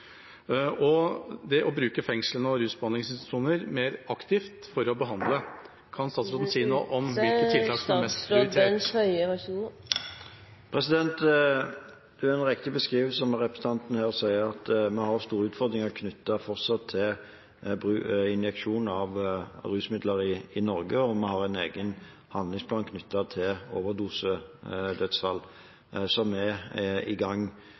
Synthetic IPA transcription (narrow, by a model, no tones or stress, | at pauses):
ɔd̪ɛʔɔbɾʉːkəfɛŋslənəɔɾʉːsbɑnɪŋsɪnst̪ʂuːnəɾmeːɾɑkt̪ɪft̪fɔɾɔbəɦɑnd̪lə | kʰɑnst̪ɑːt̪sɾɑːn̩siːəno̰ːʔɔmʋɪlkətt̪ʰːɪlt̪ʰɑːksɔmmɛsst̪pʰɾɪɾɪeœɪəɛu | pʰʁɛsɪd̪ɛnt̪ | d̪̥ʉɛnʁɛkt̪ɪbəskʁiːʋəsɔmʁɛpʁəs̩ət̪ɑnt̪nəhæːʁsæɪəʁɑt̪mɛhɑɾst̪uːɾʉːt̪fɔʁd̪ɾɪŋɑlkʰnʏt̪ːɑfɔʁsɑt̪ʰːɪl | bʁʉːɪnjɛkʃuːnn̩ɑʋɾʉːsmɪd̪ləɾɪɪnɔʁɡəɔmɛhɑʁæneːɡən | hɑnlɪŋspʰlɑːnkʰnʏt̪ːɑt̪ʰɪloːʋəd̪uːsəd̪œt̪sfɑlː | sɔmɛɪ̰ɡɑŋː